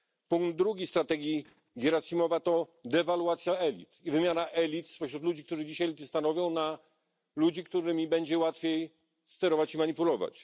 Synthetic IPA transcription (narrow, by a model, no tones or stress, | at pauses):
puŋɡd̪d̪ːɾuɡʲist̪ɾat̪ɛɡʲji | ɡʲjɛɾasimɔvat̪ɔd̪ɛvalwat̪sʲjaɛlʲḭt̪ivɘmʲjanaʔɛlʲit̪spɔɕɾut̪lud͡ʑik̚t̪uʐɘd͡ʑiɕajɛlʲit̪ɘst̪anɔvʲjɔ̃w̃na | lud͡ʑikt̪uɾɘmʲibɛɲd͡ʑɛwat̪fʲjej | st̪ɛɾɔvat͡ɕimaɲipulɔva̰t͡ɕ